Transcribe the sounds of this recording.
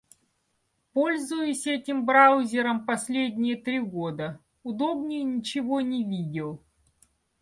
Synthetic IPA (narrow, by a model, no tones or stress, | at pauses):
po̞lʲzʊjʊsʲɛtʲɪmbɾawzʲɪɾəmpɐsʲlʲedʲnʲɪjət̪ɾʲiɡo̞d̪ə | ʊd̪o̞bnʲɪjnʲɪt͡ɕɪvo̞nʲɪvʲidʲɪlˠ